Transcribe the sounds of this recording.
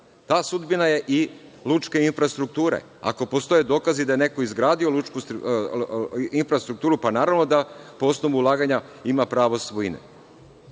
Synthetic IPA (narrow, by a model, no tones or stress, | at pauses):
t̪aːsud̪binaje̞ʔilˠut͡ʃke̞infɾast̪ɾuk̚t̪uːɾḛ | a̰ko̞po̞st̪o̞jed̪o̞ːkazid̪ajene̞ko̞izɡɾaːd̪io̞lut͡ʃku | infɾast̪ɾuk̚t̪uːɾupanaːɾaʋno̞d̪apo̞o̞snoʋuːlˠaːɡaɲa | imapɾaːʋo̞sʋoinḛ